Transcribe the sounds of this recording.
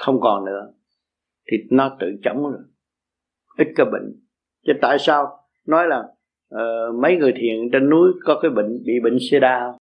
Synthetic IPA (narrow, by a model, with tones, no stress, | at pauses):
xə˧wŋ͡mkɔ˨˩nnɨ̰˧˥ə | t̪ʰi˨˩nɔ˨˦t̪ɨ̰˧˨t͡ɕə˨˦wŋ͡mz | ʔi˦˥t̚kaː˨˦jɓḭ̈˧˨ŋ̟ | t͡ɕe˨˦t̪a̰ː˧˨jsaː˧w | nɔ˨˦jlaː˨˩ŋ | ʔəː˨˩mə˨˦jŋɨ˨˩əjt̪ʰḭ˨ənt͡ɕe˧nːu˨˦jkɔ˨˦kaː˨˦jɓḭ˧˨ŋ̟ɓḭ˧˨ɓï˧˨ŋ̟se˧ɗaː˧